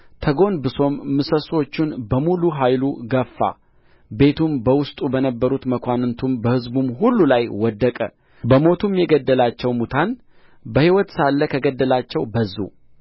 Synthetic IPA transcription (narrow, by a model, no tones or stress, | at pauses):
t̪ʰəɡo̞nbɨso̞mːɨsəso̞t͡ʃːɪnbəmuluɦajluɡəfːa̰ | be̞t̪ʰumbəwʊst̪ʼubənəbːəɾut̪məkʷanɨnt̪ʰumbəhɨzbumɦulːulajwɔd̪ːəkʼə̰ | bəmo̞t̪ʰumjɛɡəd̪ːəlat͡ʃːɛwmut̪ʰan | bəhiwɔt̪salːəkʰəɡəd̪ːəlat͡ʃːɛwbəzːṵ